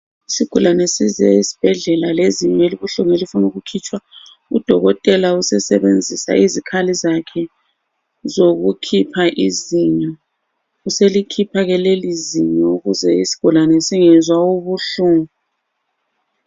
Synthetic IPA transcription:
isiɡ̥ʱulanɛsizɛ̰isi̥b̥ʱɛɮɛlaleziɲeliɣuɬuŋelifunuɣukʰit͡ʃʼwa | ṵd̥ʱɔɣɔtʼɛlausɛsɛβend͡zʱisa̰izikʰalizakʰɛ | zoɣukʰipʰaʔiziɲa | uselikʰipʰaɣɛleliziɲɔuɣuzɛisi̥ɡ̥ʱulanɛsiŋɛzwauβuɬuːŋu

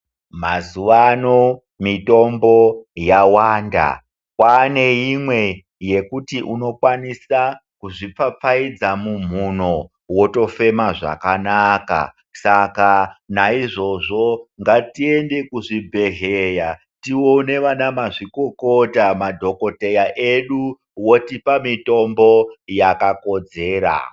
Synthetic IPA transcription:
mazuʋano | mito̞mbo̞jawaːnda̰ | kwane̞jimwe̞ | je̞kutiʔuno̞kwanisa | kuʐip͡fap͡faid͡zamum̤un̤o | wo̞to̞fe̞maʐa̰kanaka̰ | sakanaiʐo̞ʐo̞ŋɡatie̞nde̞kuʐibʱe̞ɦeja | tione̞ʋanamaʐikokotamadʱo̞ko̞te̞jaʔeɗu | wo̞tipamito̞mbo̞jakako̞d͡ze̞ːɾa̰

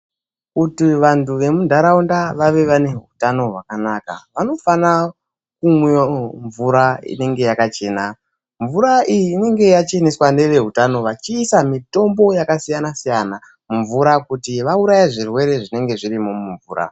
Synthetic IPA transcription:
kutiʋantuʋe̞mundʱaɾaundaʋaʋe̞ʋane̞ɦutano̞ɦwakanaka̰ʋano̞fana | kuŋwiaɱvuɾaḭne̞ŋɡe̞jakat͡ʃe̞ːna | ɱvuɾaʔijiːne̞ŋɡe̞jat͡ʃe̞neswane̞ʋe̞ɦutano̞ʋat͡ʃiːsamito̞mbo̞jakasijanasijana | muɱvuɾakutiʋauɾajaʐirwe̞ɾe̞ʐine̞ŋɡe̞ʐirimo̞muɱvṵːɾʔa̰

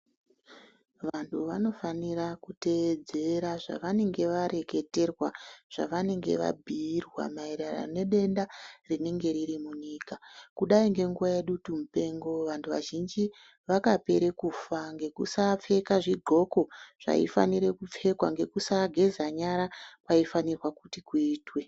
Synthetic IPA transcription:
ʋantʰuʋano̞faniɾakute̞ʋed͡zeɾaʐa̰ʋane̞ŋɡe̞ʋaɾe̞ke̞te̞rwaʐ̥a̰ʋane̞ŋɡe̞̰ʋa̰bʱiːrwa̰maeɾara̰ne̞ɗe̞ndarine̞ŋɡe̞ɾiɾimuɲiːkakuɗaiŋɡe̞ŋɡuʋaje̞ɗutumupe̞ŋɡo̞ʋantʰuʋa̰ʒind͡ʒi | ʋakape̞ɾe̞kuːfaŋɡe̞kusap͡fe̞kaʐiɡʱo̞ko̞ʐ̥a̰ḭfa̰niɾekup͡fe̞kwaŋɡe̞kusaɡʱe̞zaɲaɾapaifanirwakutikuiːtwe̞

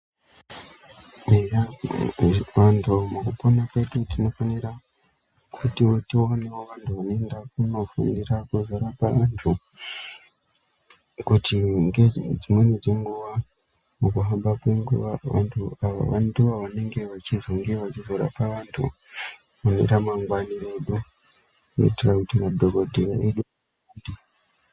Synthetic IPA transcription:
eja | ʋantʰumukupo̞nape̞tutino̞faniɾa | kʰutiotionewoʋantʰuʋano̞endak̚uno̞fundirakuzoɾapaʋantʰu | kutiŋɡed͡zimwened͡ze̞ŋɡuʋa | mukuɦambakwe̞ŋɡṵʋaʋa̰ntʰuaʋa̰ʋa̰nduaʋane̞ŋɡe̞ʋat͡ʃizoŋɡeʋat͡ʃizoɾa̰paʋantʰṵ | onḛɾamaŋɡwanireɗu | ko̰itirakutimadʱoɡo̞dʱeja̰eɗu | uːndi

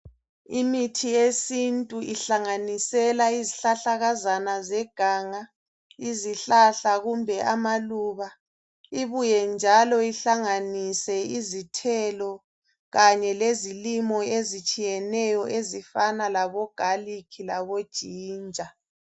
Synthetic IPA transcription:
imitʰiesintʼuiɬaŋanisɛlaiziɬaɬaɣazanazɛɡ̥ʱaːŋa | iziɬaɬaɣumbʱɛʔamaluβa | iβujɛnd͡ʒʱalɔiɬaŋanisɛizitʰɛlɔ | ɣaɲɛlezilimɔezit͡ʃʼijɛnɛjɔʔezifanalaβɔɡ̥ʱalikʰilaβod̥ʒ̥ʱiːnd͡ʒʱa

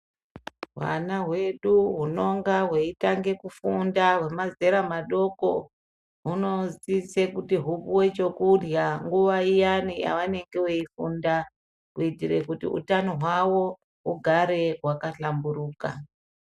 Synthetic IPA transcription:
wa̰naɦwe̞ɗuɦuno̞ŋɡaɦweitaŋɡe̞kufundawe̞maze̞ɾamaɗo̞ko | ɦuno̞zisekutiɦupuwe̞t͡ʃo̞kuljaŋɡuʋaijanija̰ʋane̞ŋɡewe̞ifunda | kuitiɾe̞kutḭṵtanoɦwawo̞ | ɦuɡʱaɾe̞ɦwakaɬambuɾuːka̰

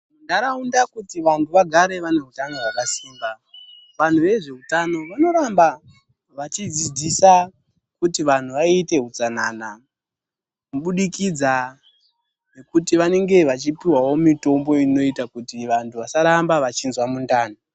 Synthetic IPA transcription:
mundaɾaundakutiʋantʰuʋaɡʱaɾe̞ʋane̞ɦutano̞ɦwakasiːmba | ʋan̤uʋe̞ʐe̞ɦutano̞ʋano̞ɾamba | ʋat͡ʃid͡zid͡zisa | kutiʋan̤uʋaite̞ɦut͡sanana | muɓuɗikid͡za | ne̞kutiʋane̞ŋɡe̞ʋat͡ʃipiwawo̞mito̞mbo̞ino̞itakutiʋantʰuʋasaɾambaʋat͡ʃinzwamundaːna

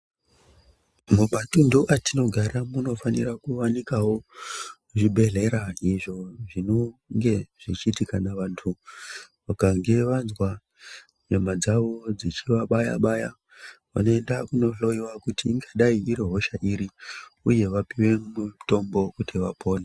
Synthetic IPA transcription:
mumatunduʔatino̞ɡʱaɾamuno̞fanḭrakuwanikawo̞ | ʐibʱe̞ɮe̞ɾaiʐo̞ʐino̞ŋɡe̞ʐ̥it͡ʃiːtikanaʋantʰuʋakaŋɡe̞ʋanzwa | ɲemad͡zaʋo̞d͡zit͡ʃiʋaɓaja̰ɓaja | ʋa̰no̞endakuno̞ɬo̞iwakutiːŋɡaɗaiiɾiɦo̞ʃaʔiɾiuje̞ʋapiwe̞muto̞mbo̞kutiʋa̰pʰo̞ːne

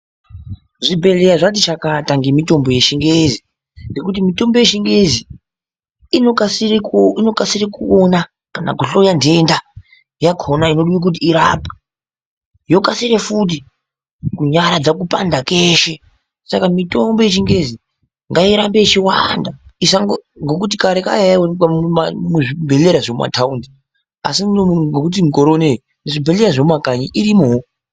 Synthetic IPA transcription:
ʐibe̞leaʐat̬it͡ʃakataŋɡemito̞mbo̞je̞ʃiŋɡezi | ne̞kut̬imito̞mbo̞jeʃiŋɡe̞zi | osiino̞kasirekuona | kana̰ɡoɬojande̞nda | jakʰonainoɗuwik̬ut̬iːɾapḁ | jo̞kasiɾefut̬i | kuɲaɾad͡zakupa̰ndakeʃe | sakamito̞mbo̞it͡ʃiŋɡe̞zi | ŋɡaiɾambet͡ʃiwandaisaŋɡoŋɡo̞k̬ut̬ikaɾeka̰jawoamamuʐibʱe̞leɾaʐomuma̰tʰaundi | a̰sioɡokut̬imikoɾone | neʐibʱele̞ɾaʐommakaɲiʔiɾimoo

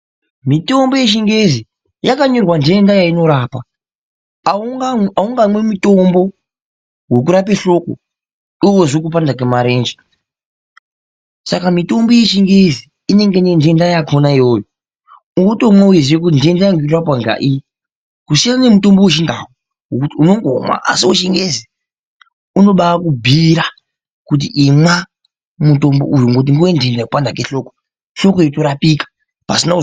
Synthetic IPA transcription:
mito̞mbo̞je̞ʃiŋɡezi | jakaɲo̞rwandendajaino̞ɾapa | auŋɡamwe̞muto̞mbo̞ | we̞k̬uɾap̬eɬo̞ko̰ | iwoʐokupandakemaɾe̞ːnd͡ʒe | sakamito̞mboje̞ʃiŋɡezi | ine̞ŋɡenendendajakʰonaijoːjo | uŋɡotomwaujeziwek̬utindendajaŋɡetrapwaŋɡa̰ʔi | kusijanemuto̞mboweʃ̬indawo | ŋɡokutiuno̞ŋɡomwa̰ʔa̰sioʃiŋɡezi | uno̞ɓaːkubʱiɾa | kut̬iʔimwa | muto̞mbo̰ʔujuŋɡot̬iŋɡojendendajkupandakeɬo̞ko̥ | ɬo̞kojeto̞ɾapikḁ | pasina

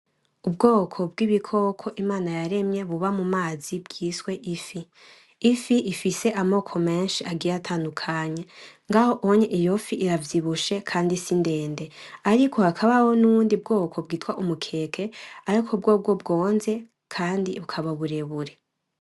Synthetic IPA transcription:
ubɡo̞ːkʰo̞b̚ɡiβikʰo̞kʰo̞ʔimaːnajaɾe̞mɲe̞βuβamumaːzibɡiːswe̞ʔifiː | fiʔifise̞ʔamo̞kʰo̞me̞ːnʃiʔaɡiɾatʰaːndukʰaːɲe̞ŋɡaho̞ʔoɲeʔijo̞fiʔiɾavjiβuʃe̞kʰaːndisinde̞ːnde̞aɾikʰo̞hakʰaβaho̞nuβuːndiub̚ɡo̞ːkʰo̞bɡiːtwaʔumukʰe̞kʰe̞aɾikʰobɡo̞ːb̚ɡo̞bɡo̞ːnze̞ | kʰaːndiβukʰaβaβuɾe̞βuɾe̞

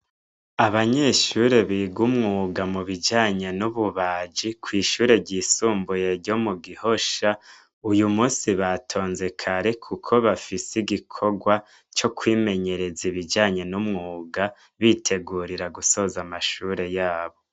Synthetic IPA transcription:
aβaɲe̞ʃuɾe̞βiːɡumŋuːɡamuβid͡ʒaːɲe̞nuβuβaːd͡ʒikwiːʃuːɾe̞ɟiːsuːmbuje̞ɾɟo̞muɡiho̞ʃa | ujumuːsiβatʰo̞ːnze̞kʰaɾe̞kʰukʰo̞βafisiɡikʰo̞ɡwa | t͡ʃo̞kwiːme̞ɲe̞ɾe̞ziβid͡ʒaːɲe̞numŋuːɡa | βiːtʰe̞ɡuːɾiɾaɡuso̞zamaʃuːɾe̞jaːβo̞

